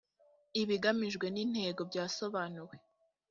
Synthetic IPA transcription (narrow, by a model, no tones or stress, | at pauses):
iβiɡamiʒɡwe̞nin̥he̞ːɡo̞bɟaːso̞βaːnuwe̞